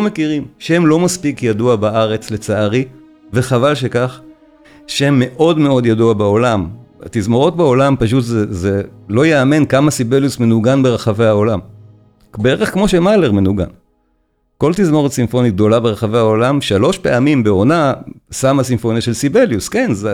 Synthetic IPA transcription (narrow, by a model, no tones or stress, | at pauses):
omekiʁimʃehemlo̞maspikjaduabaʔaʁe̞t͡slet͡saaʁi | ve̞χavalʃe̞kaχ | ʃehemːe̞ʔo̞dme̞o̞djaduabao̞lama̰t̪izmo̞ʁo̞t̚bao̞lampaʃ̬utzezelo̞jeame̞nkamasibeljusme̞nuɡanbe̞ʁaχave̞jaolam | beeʁeχkmo̞ʃemale̞ʁme̞nuɡa̰n | ko̞lt̪izmo̞ʁot̪simfo̞nitɡ̚d̪o̞labeʁeχave̞jao̞lamʃalo̞ʃpe̞amimbe̞o̞nasamasimfo̞niaʃe̞lsibeljuske̞nz